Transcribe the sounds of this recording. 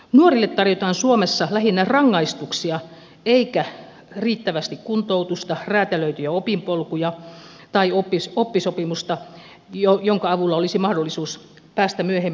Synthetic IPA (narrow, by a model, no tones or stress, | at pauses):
nuorilːet̪t̪ɑrjot̪ɑːnsuomesːɑlæhinːærɑŋːɑist̪uksiɑ | eikæ | riːt̪ːæʋæst̪ikkunt̪out̪ust̪ɑræːt̪æløyt̪yjæopimpolkujɑ | t̪ɑiopːisopːisopimust̪ɑ | ojoŋkɑɑʋulːɑolisimɑhdolːˑisuːs | pæːst̪æmyøhemː